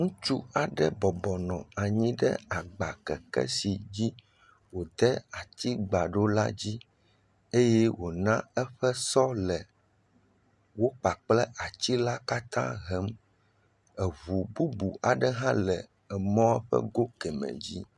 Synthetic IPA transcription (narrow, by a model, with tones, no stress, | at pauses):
ŋũ˦t͡ʃu˦a˨ɖɛ˦bɔ˨bɔ˨nɔ̃˨a˨ɲĩ˦ɖɛ̰˦a˨ɡ͡ba˨kɛ˨kɛ̰˦si˨d͡ʑi˦ | wo˨d̪ɛ˦a˨t̪i˦ɡ͡ba˨ɖo˦la̰˦d͡ʑi˦ | e˦jɛ˦wo˨nã˦ɛ˦ɸɛ˦sɔ˦lɛ˨ | wo˦k͡pa˨k͡plɛ˦ʔa˨t͡ɕi˦la˦ka˦t̪ã̰˦ɦɛ˦m | ɛ˨βu˨bu˦bu˨a˨ɖɛ˦ɦã˦lɛ˨ | ɛ˨mɔ̃˦ɛ˦ɸɛ̰˦ɡo˦kɛ˨mɛ̰̃˨d͡ʑḭ˦